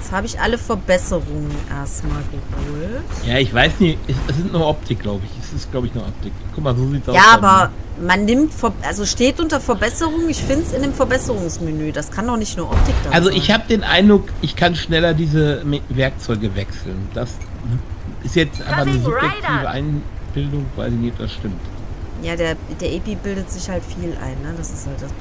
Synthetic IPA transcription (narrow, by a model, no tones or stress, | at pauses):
jɛt͡shaːbəɪçʔa̰ləfɛɐbɛsəʁʊŋənʔḛːɐstmaːlɡəføːltjaːɪçv̥aɪsnɪçɛsɛs̬z̥ɪntnuːɐʔɔp̚tʰɪk̚ɡ̥laʊbəɪçɛsɪstɡ̥laʊbəɪçnuːɐʔɔp̚tɪkkʰːʊkmaːzoːziːtsʔjaːʔaːbɐmanːɪmtfɛɐʔalzoʃteːtʔʊntɐfɛɐbɛsəʁʊŋənɪçfɪndəsɪndeːmfɛɐbɛsəʁʊŋsmenøːdaskʰandɔχnɪçtnuːɐʔɔp̚tɪk̚d̥aalzoʔɪçhaːbədeːnʔa̰ɪndʁʊkʔɪçkʰanʃnɛlɐdiːzəvɛɐk̚t͡sɔʏɡəvɛksl̩nd̥as | ɪstjɛt͡stʔa̰ɪnfanəzʊbjɛk̚tʰiːvəʔa̰ɪnb̥ɪldʊŋv̥a̰ɪlzinɪːd̥a̰sʃtɪmtjaːdeːɐd̥eːɐʔɛpibɪldətz̥ɪçhaltfiːlʔa̰ɪnːəd̥asɪ̥sthalt̚d̥as